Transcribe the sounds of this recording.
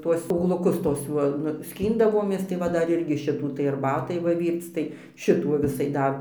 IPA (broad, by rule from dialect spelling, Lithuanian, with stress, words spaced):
ˈtuɔs ˈuːɡlˠʊˈkʊs ˈtuɔs juɔ nʊ ˈsʲkʲiːndɐʋoːmʲeːs tɐɪ ˈʋɐ ˈdɐr ˈɪrʲɡʲɪ ˈʃʲɪtuː tɐɪ ɐrˈbɑːtɐɪ ˈʋɐ ˈʋʲiːrt͡s tɐɪ ˈʃʲɪtuː ʋɐ ˈʋʲɪsɐɪ ˈdɐr